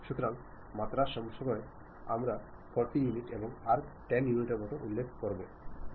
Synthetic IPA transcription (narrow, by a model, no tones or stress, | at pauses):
ʃut̪oɾaŋ | mat̪ɾaʃɔmʃɔmɔe | amɾa | pɔɾt̪ijuniʈeboŋaɾʈɛnjuniʈeɾmɔt̪oʔulːekʰkoɾbo